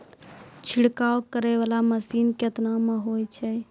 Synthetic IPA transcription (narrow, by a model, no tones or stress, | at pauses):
t͡ʃʰiɽkawkəɾɛʋalaməsinkət̪nameɦojt͡ʃʰɛ